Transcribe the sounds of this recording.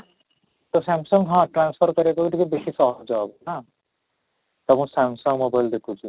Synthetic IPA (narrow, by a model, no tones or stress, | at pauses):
t̪osamsɔŋɡɦʌ̃ʈranspʰɔɾkʌɾekokiʈ̪ikobesisʌɦɔd͡zɔːbɔna | t̪ʌbũsamsɔŋɡmobajld̪ekʰũt͡ʃʰu